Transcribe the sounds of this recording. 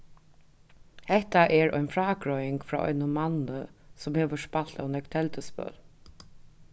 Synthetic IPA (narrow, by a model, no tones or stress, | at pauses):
hɛht̪aʔɛɹɔ̰jnfɹaːkɹɔjɪŋkfɾa̰ːʔɔ̰jnʊmanəsʊmheːʋəʂpal̥t̪a̰wnɛkt̪ʰɛlt̪əspœ̰ːl